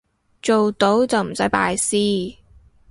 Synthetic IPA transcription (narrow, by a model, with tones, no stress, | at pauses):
t͡ʃo˨wt̪o˨˥wt͡sɐ˨wm̩˨˩sɐ˨˥jpa̰ː˧jsiː˥